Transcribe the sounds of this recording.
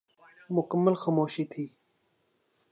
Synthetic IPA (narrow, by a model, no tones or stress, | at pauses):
mʊkəmːəlxaːmoːʃiːt̪ʰiː